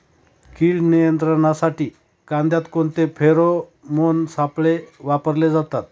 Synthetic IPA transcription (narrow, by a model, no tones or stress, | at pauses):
kiːɭnijənt̪ɾəɳasaʈiː | kãnd̪jat̪kont̪epʰeɾomonsapɭeʋapəɾled͡zat̪at̪̚